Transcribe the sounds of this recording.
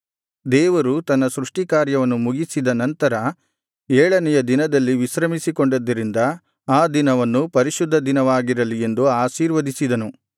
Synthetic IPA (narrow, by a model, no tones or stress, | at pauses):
d̪ɛːʋɐɾut̪ɐnːɐsɾuʂʈikaːɾjɐʋɐnːumuɡisid̪ɐnɐnt̪ɐɾɐ | ɛːɭɐnɛjɐd̪inɐd̪ɐlːiʋiʃɾɐmisiko̞ɳɖɐd̪ːɐɾind̪ɐ | aːd̪inɐʋɐnːupɐɾiʃud̪ʱːɐd̪inɐʋaːɡiɾɐlije̞nd̪uaːʃiːɾʋɐd̪isid̪ɐnu